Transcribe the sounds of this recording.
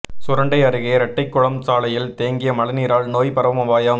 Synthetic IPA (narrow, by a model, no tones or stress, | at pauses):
sʊɾɐɳɖɐɪɐɾɯɣeːɾɐʈːɐɪkːʊɭɐmsaːlɐjɪlt̪eːŋɡɪjɐmɐɭɐniːɾaːɭnoːjpɐɾɐʋɐmɐʋaːjɐm